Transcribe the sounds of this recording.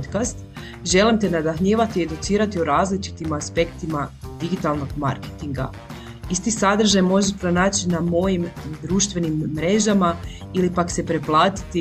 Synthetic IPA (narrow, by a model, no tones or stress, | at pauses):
t̪kast̪ | ʒe̞limt̪enad̪axɲiːʋat̪ie̞d̪ut̪siːɾat̪iuɾaːzlit͡ʃi̥t̪imaspe̞kt̪imad̪iɡit̪alˠno̞ɡma̰ɾket̪iŋɡa̰ | ist̪isad̪ɾ̩ʒajmo̞ʒepɾo̞naːt͡ɕinamo̞jimd̪ɾuːʃt̪ʋe̞nimːɾe̞ʒama | ilipakse̞pɾe̞plˠaːt̪i̥t̪i